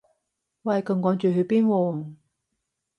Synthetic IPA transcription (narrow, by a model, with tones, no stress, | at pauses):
waː˨kɐ˧ŋkɔː˨˥ŋt͡ʃyː˨˩hɵ˨˧˥piː˥nwɔː˧